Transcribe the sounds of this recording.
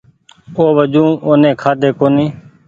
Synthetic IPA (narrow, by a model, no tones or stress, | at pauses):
oːʋəd͡ʒũːoːnẽːkʰaːd̪eːkoːniː